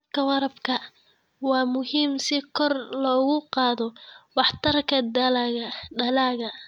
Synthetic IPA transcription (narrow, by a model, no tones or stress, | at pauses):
kʰɐwɑɾɐbkʰɐ | wɑːmʊhiːmsɪkʰɔrlɔːɣʊqɑːðɔwɑħt̪ʰɐrkʰɐd̪ɐlaɣɐɖɐlaːɣɐ